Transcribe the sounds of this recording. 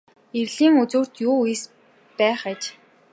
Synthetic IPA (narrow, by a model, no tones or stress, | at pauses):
erɮiːŋut͡suːr̥t̪juːujis | pæːχæt͡ɕ